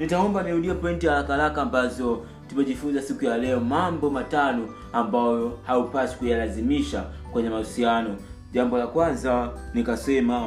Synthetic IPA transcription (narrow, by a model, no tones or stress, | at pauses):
nitaɔmbaniɾuɗiapɔintialakaalakaːmbazɔ | tumɛʄifunzasikujalɛɔmambɔmatanɔ | ambajɔhaupasi̥kujalazimiʃakwɛɲɛmausianɔ | ʄambɔlakwanzanikasɛma